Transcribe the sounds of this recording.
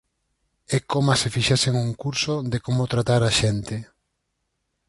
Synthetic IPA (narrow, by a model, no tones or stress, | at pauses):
ekomasefiʃaseŋuŋkuɾsoðekomot̪ɾat̪aɾaʃent̪ɪ